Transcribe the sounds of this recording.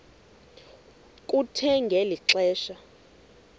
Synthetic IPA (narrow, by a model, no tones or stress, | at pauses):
kʼutʰɛŋɡʱɛliǁɛːʃa